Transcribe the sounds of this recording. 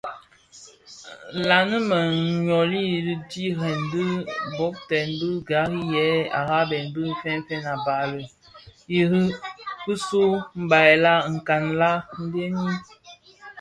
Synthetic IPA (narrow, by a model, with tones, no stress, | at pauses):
la˨nə˦mə˨ɲɔ˨li˦ji˨li˦di˦ɾɛ˨ndə˦bɔ˨˦k̚tɛ˨nbə˦ɡa˨˦ɣi˦jɛ˨˦a̰˨ɣa˦bɛ˨nbə˦fɛ˦n˦fɛ˦na˨ba˨lə˨ | ji˨ɾi˦kɨ˦su˦m̩˦ba˨la˦ŋ̩˨ka˨nla˦m̩˦be˦ni˦